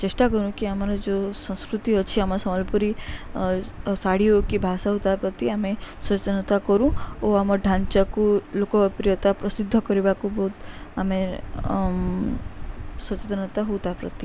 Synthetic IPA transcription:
t͡ʃeʃʈakɔɾũkiamaɾod͡ʒosə̃w̃skɾut̪iɔt͡ʃʰiamasɔməlpuɾi | saɽiokibʱasaɦut̪apɾət̪iamesət͡ʃet̪ənət̪akɔɾũoamɔɖʱãɲt͡ʃakulokopɾijət̪apɾəsɪd̪ʱːəkɔɾibakubɔɦut̪ame | swət͡ʃet̪ənət̪aɦut̪apɾə̰t̪i

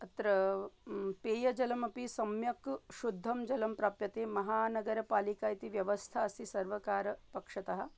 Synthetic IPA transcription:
ɐt̪ɾɐ | peːjɐd͡ʒɐlɐmɐpisɐmjɐkʃud̪ʱːɐmd͡ʒɐlɐmpɾaːpjɐt̪eːmɐɦaːnɐɡɐɾɐpaːlikaːjɐt̪iʋjɐʋɐst̪ʰaːsisɐɾʋɐkaːɾɐpɐkʂɐt̪ɐɦɐ̆

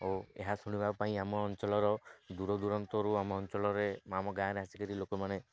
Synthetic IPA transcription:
oḛɦasuɽ̃ibʱabpaĩamɔːnt͡ʃɔlɔɾɔd̪uɾɔd̪uɾɔnt̪ɔɾuamɔɔnt͡ʃɔlɔɾemamɔɡajãɾeɦasikɔɾilokɔmane

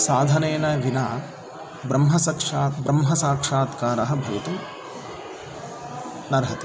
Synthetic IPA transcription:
saːd̪ʱɐneːnɐʋinaː | bɾɐmɦɐsɐkʂaːbɾɐmɦɐsaːkʂaːt̪kaːɾɐɦɐ̆bʱɐʋɐt̪u | nɐɾɦɐt̪e̥

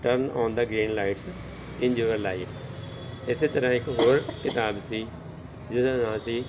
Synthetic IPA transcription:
ʈəɾna̰ːnd̪aːɡɾiːnlaːɪʈs | ɪ̃nd͡ʒuːʋəɾlaːiːf | ɪseːt̪əɾãːɪkɦoːɾkɪt̪aːbsiː | d͡ʒɪsãːnaːlsiː

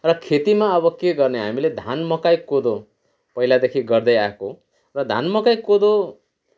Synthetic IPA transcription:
rʌkʰet̪imaʌβʌkeɡʌrneɦa̰miled̪ʱanmʌkajkod̪o | pʌɦilad̪ekʰiɡʌɾd̪ʌjako | rʌd̪ʱa̰nmʌkajkod̪o

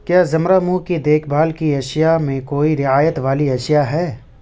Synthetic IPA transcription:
kjaːzɐmɾamuːkid̪eːkʰbʱaːlkiɐʃjamẽkoːiɾɪaːjət̪ʋaːliɐʃjaɦɛː

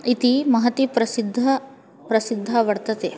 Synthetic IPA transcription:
it̪imɐɦɐt̪ipɾɐsid̪ʱːɐ | pɾɐsid̪ʱːɐʋɐɽt̪ɐt̪eː

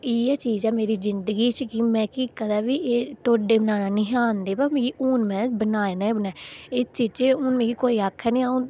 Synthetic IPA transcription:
iːɛːt͡ʃiːzɛːmeːɾiːzɪnd̪əɡiːt͡ʃkɪmɛ̃ːkiːkəd̪aːʋiːeːʈ̪oːɖeːbənaːnãːnɪ̃ɦaːnd̪eːbam̃ːkiːʔuːnmɛ̃ːbənaːenãːeːbənaːɪst͡ʃiːzt͡ʃeʊːnmɛ̃ːkikoːiːaːkʰːɛːnĩːaːũ

